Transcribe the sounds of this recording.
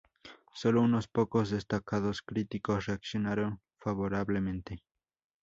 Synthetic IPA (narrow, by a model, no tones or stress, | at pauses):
solounospokozðest̪akaðoskɾit̪ikosreaksjonaɾon | faβoɾaβlemẽnt̪e